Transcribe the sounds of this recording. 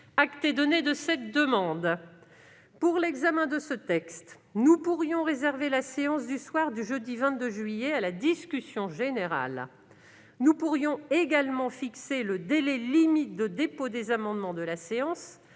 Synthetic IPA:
akt̪ɛd̪ɔned̪əsɛt̪̚d̪əmɑ̃d̪ | puʁlɛɡzamɛ̃d̪əsət̪ɛkst̪ | nupuʁjɔ̃ʁezɛʁvelaseɑ̃sd̪yswaʁd̪yʒəd̪ivɛ̃t̪̚d̪əʒɥijealad̪iskʲysjɔ̃ʒeneʁa̰l | nupuʁjɔ̃eɡalmɑ̃fikseləd̪elɛlimit̪̚d̪əd̪epod̪ezamɑ̃d̪mɑ̃d̪əlaseɑ̃s

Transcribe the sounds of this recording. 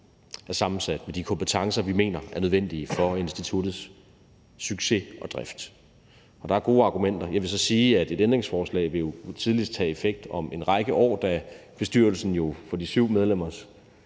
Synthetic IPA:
æɐsɑ̈mn̩sæd̥med̥ikʰɒ̽mpʰe̝t͡sʰɑ̈ŋsɐʋime̝̰ːnɐæɐnøðˠen̰d̥iəfɒ̽e̝nsd̥it͡sʰud̥ð̩ˠs | syɡ̥se̝ʔɒ̽d̥ʁafd̥ | ʔɒ̽d̥ɑ̈æɐɡ̥o̝ːɑ̈ɡ̥umen̰d̥ɐjɑ̈ɪʋe̝sɒ̽siːæd̥e̝d̥end̥ʁe̝ŋsfɒːslɛ̰ːɪʋe̝jo̝t͡sʰið̞ˠlisd̥t͡sʰɛ̰e̝feɡ̥̚d̥ɒ̽me̝nʁɑ̈ɡ̥əʔɒ̰ːd̥æb̥e̝sd̥yɐ̰l̩sn̩jo̝fɒ̽d̥isyʊ̰með̞ˠlem̰ɐs

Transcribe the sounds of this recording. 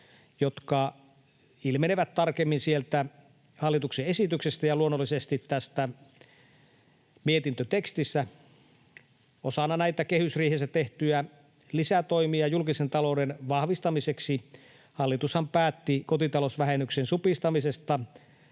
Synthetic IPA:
jot̪kɑ | ilmeneʋæt̪t̪ɑrkemːinsielt̪æ | hɑlːit̪ukseesit̪yksest̪æjɑluonːolːˑisest̪it̪ːæst̪æ | miet̪int̪øt̪ekst̪isːæ | osɑnːɑnæit̪ækehysriːhesæt̪eht̪yæ | lisæt̪oimiɑjulkisent̪ɑloudenʋɑhʋist̪ɑmiseksi | hɑlːit̪ushɑmpæːt̪ːikot̪it̪ɑlosʋæhenːˑyksensupist̪ɑmisest̪ɑ

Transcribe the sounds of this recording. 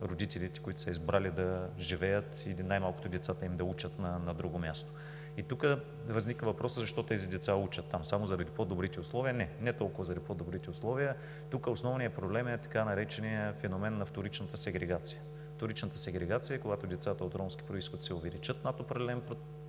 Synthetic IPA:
ɾod̪it̪ɛlit̪ɛ̥koit̪ʊ̥səizbɾalid̪ɐʒivɛjət̪inajmalˠkot̪od̪ɛt̪sat̪əimd̪ɐut͡ʃət̪nɐnɐd̪ɾuɡomʲjast̪o̥ | it̪ukə | vɐznikvəvɐpɾɔsəzɐʃt̪ɔt̪ɛzid̪ɛt̪saut͡ʃət̪ːamsamozɐɾɐd̪ipod̪obɾit̪ɛʊslˠɔviənɛnɛt̪ɔlˠkʊvɐzɐɾɐd̪ipoɔd̪obɾit̪ɛʊslˠɔvijə | t̪ukəosnɔvnijəpɾoblɛmɛt̪ɐ̥kanɐɾɛt͡ʃɛnijəfɛnomɛnːɐft̪oɾit͡ʃnət̪əsɛɡɾɛɡat̪sijə | ft̪oɾit͡ʃnət̪ə̥sɛɡɾɛɡat̪sijəkoɡat̪od̪ɛt̪sat̪əot̪ɾɔmsk̟ʲi̥pɾoiskəd̪sɛovɛlit͡ʃət̪nat̪opɾɐɛlɛnpɾot̪

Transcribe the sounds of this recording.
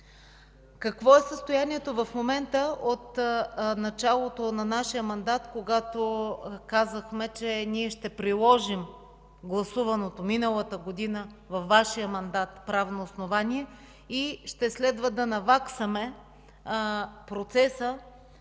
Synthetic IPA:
kɐkvɔɛsəst̪ojaniɛt̪ovɐfmomɛnt̪əot̪nɐt͡ʃalˠot̪onɐnaʃijəmɐnd̪at̪koɡat̪okazəxmɛt͡ʃɛniɛʃt̪ɛpɾilˠɔʒim | ɡlˠɐsuvɐnot̪ominəlˠət̪əɡod̪inə | vɐfːaʃijəmɐnd̪at̪pɾavnoːsnovaniɛ | iʃt̪ɛslɛd̪vəd̪ɐnɐvaksəmɛ | pɾot̪sɛsə

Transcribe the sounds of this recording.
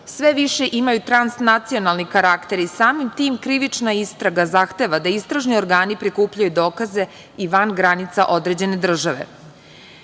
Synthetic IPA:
sʋeʋiʃe̞ʔimajut̪ɾansnat̪sio̞nalˠnikaɾakt̪e̞ɾisaːmimt̪iːmkɾiʋit͡ʂnaist̪ɾaɡazaxt̪e̞ʋad̪aist̪ɾaʒnio̞ɾɡaːnipɾikuːpʎajud̪o̞ːkaze̞ | iʋanɡɾanit̪saʔo̞d̪ɾe̞d͡ʑe̞ne̞d̪r̩ʒaʋe̞̰

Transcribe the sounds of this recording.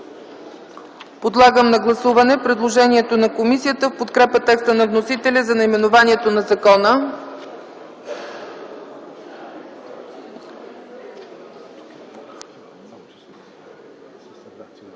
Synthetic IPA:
pod̪lˠaɡəmnɐɡlˠɐsuvɐnɛpɾɛd̪lˠoʒɛniɛt̪onɐkomisijət̪əfpot̪kɾɛpət̪ɛkst̪ənɐvnosit̪ɛlʲəzɐnɐjmɛnovaniɛt̪onɐzɐkɔnə

